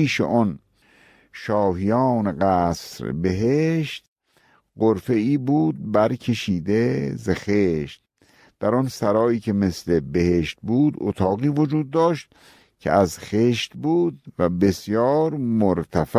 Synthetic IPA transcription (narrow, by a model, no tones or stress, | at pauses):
iːʃḛɔn | ʃɒːhijɒːneɡæːsɾbe̞ɦeʃt̪ | ɢoɾfe̞iːbuːd̪̚bæɾkʲʰe̞ʃiːd̪ezexeʃt̪̚ | d̪̥æɾɔnsæɾɒːiːkʲʰemeslebeheʃt̪̚buːd̪ot̪ʰɒːɣiːvod͡ʒuːd̪ːɒːʃt̪̚ | kʲʰḛʔæzxeːʃt̪buːd̪̚væbe̞sjɒːɾmoɾt̪ʰæf